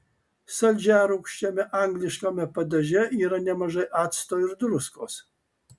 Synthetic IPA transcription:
sɐlʲd͡ʒʲæːɾukʃʲt͡ʃʲɛmʲɛʔaːŋɡlʲɪʃkamʲɛpɐd̪ʲɐʒʲɛʔiːɾɐnʲɛmɐʒɐjʔaːt̪st̪oːɪɾd̪ɾʊskoːs

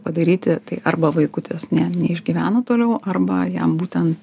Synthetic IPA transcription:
pɐd̪ɐɾʲiːt̪ʲɪt̪ɐɪʔɐrbɐʋɐɪkʊt̪ojoːsnʲɛnʲɛɪʒʲɡʲiːʋʲæːnɐt̪oːlʲɛʊʔɐrbɐjɛmbuːt̪ʲɛnt̪

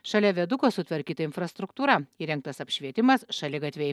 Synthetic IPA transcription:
ʃɐlʲɛʋʲɛd̪ʊkoːsʊt̪ʲʋʲɐɾʲkʲiːt̪ɐɪnfɾɐst̪ɾʊkt̪uːɾɐiːɾʲɛŋk̚t̪ɐsɐpʲʃʲʋʲiɛt̪ʲɪmɐsʃɐlʲɪɡɐt̪ʲʋʲɛj

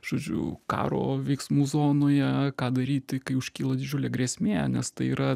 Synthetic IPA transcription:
ʒ̥oːd͡ʒʲʊ̰kɑ̰ːɾo̰ːʋʲɛɪksmuːzoːnoːjɛkɑːd̪ɐɾʲiːt̪ʲɪkɐɪʊʃʲkʲiːlˠɐd̪ʲɪd͡ʒʲʊlʲeːɡrʲeːsʲmʲeːnʲɛst̪ɐɪiːɾɐ

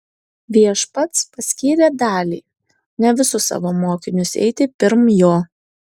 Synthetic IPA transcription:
ʋʲiɛʃpɐt̪spɐsʲkʲiːɾʲeːd̪ɑːlʲiː | nʲɛʋʲɪsʊsɑ̰ːʋoːmoːkʲɪnʲʊsɛ̰ɪt̪ʲɪpʲɪɾmjoː

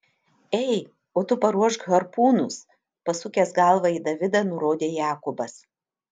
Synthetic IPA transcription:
ɛɪ | oːt̪ʊpɐɾuɔʃɡɣɐɾpuːnʊs | pɐsʊkʲɛsɡɑˑlˠʋɐid̪ɐʋʲɪd̪ɐnʊɾoːd̪ʲeːjæːkʊbɐs

